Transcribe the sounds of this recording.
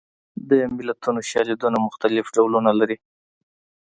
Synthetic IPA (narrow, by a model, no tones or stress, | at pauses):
d̪əmɪlat̪unoʃjɑled̪unamʊxt̪alɪfɖawlunalaɾi